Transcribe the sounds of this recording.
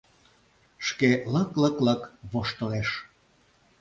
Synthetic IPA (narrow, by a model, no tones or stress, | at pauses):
ʃkeləkləkləkβoʃt̪əleʃ